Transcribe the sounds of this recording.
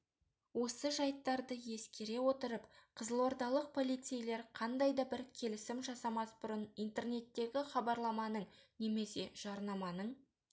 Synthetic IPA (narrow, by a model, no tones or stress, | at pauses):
wo̞səʒɑjt̪ːɑɾd̪əje̞skʲe̞ɾe̞wo̞t̪əɾəpqʰəzəlˠo̞ɾd̪ɑlˠəq̚pʰo̞lˠijt̪sejle̞ɾqʰɑnd̪ɑjd̪ɑbɪɾkʲʰe̞lɪsɪmʒɑsɑmɑsbʊɾənijnt̪e̞rne̞t̪ːe̞ɡʲɪχɑbɑɾlˠɑmɑnəɴne̞me̞se̞ʒ̥ɑɾnɑmɑnəɴ